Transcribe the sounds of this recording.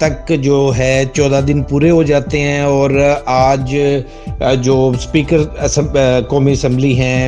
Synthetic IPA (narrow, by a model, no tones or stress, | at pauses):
t̪ɐkd͡ʒoːɦɛ̃ːt͡ʃɔːd̪ad̪ɪnpuːɾeɦod͡ʒaːt̪eɦɛ̃ːɔːɾaːd͡ʒ | d͡ʒoːspiːkəɾ | kɔːmiəsɛ̃mbliɦɛ̃ː